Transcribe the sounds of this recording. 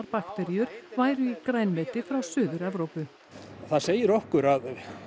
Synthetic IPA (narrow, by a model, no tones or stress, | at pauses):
ɾpakt̪ɛɾjʏɾ̥vaːjɾʏikɾaːjnmɛːt̪ɪfɾawsʏːðʏɾavɾoːwpʏ | θaðseːjɪɾɔhkʏɾað